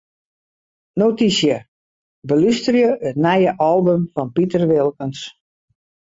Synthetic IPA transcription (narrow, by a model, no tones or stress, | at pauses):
notisjə | bəlystərjəətnɛjəʔɔlˠbəmfɔnpitərʋɪlˠkəns